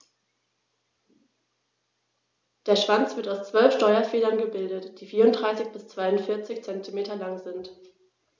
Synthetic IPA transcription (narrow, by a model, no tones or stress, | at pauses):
d̥eːɐʃv̥ant͡sv̥ɪɐtaʊst͡sv̥œlfʃtɔʏɐfeːlɐnɡəbɪldətd̥iːfiːɐʊndʁaɪsɪçb̥ɪst͡sv̥aɪʊntfɪɐt͡sɪçt͡sɛntʰimeːtɐlaŋzɪnt